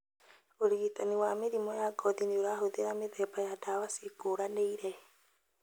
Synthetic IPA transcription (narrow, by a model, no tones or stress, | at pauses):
oɾitaniwameɾimɔjaɡɔðinioɾaɦoðeɾameðɛbajadawasikoɾaneiɾɛ